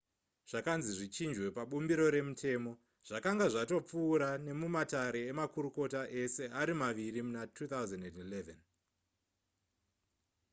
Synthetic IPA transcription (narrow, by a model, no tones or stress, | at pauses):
ʐ̥akanziʐit͡ʃind͡ʒwe̞paɓumbiɾo̞ɾe̞mutʰe̞ːmo̞ | ʐ̥akaŋɡaʐato̞p͡fuːɾane̞mumataɾe̞ːmakuɾuko̞taʔe̞se̞aɾimaʋirimunatʰuːt̪awzandendileven